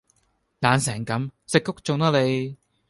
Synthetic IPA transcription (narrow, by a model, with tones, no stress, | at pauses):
laː˨˧nsɛː˨˩ŋkɐ˨˥msɪ˨kːʊ˥k̚t͡sʊ˨ŋt̪ɔː˥le˨˧j